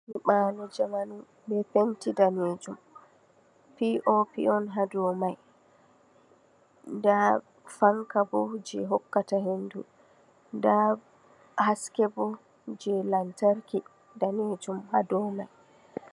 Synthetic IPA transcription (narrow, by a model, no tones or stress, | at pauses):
miɓanɔd͡ʒamanu | bɛfentidaned͡ʒum | piʔɔpḭɔnɦadɔmaj | da | faŋkabɔd͡ʒɛɦɔkːatahendṵ | nda | haskɛbɔ | d͡ʒɛlantaɾki | daned͡ʒumhadɔmaj